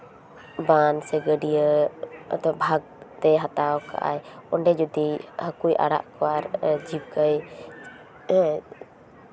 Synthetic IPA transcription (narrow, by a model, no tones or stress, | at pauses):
bansɛɡəɖijə̰ | d̪ɔbʱaɡ̚t̪ɛɦat̪awɔka̰ʔa̰jɔɳɖɛd͡ʒɔd̪ihəkujʔa̰ɽa̰ʔkɔwaɾd͡ʒib̚kəj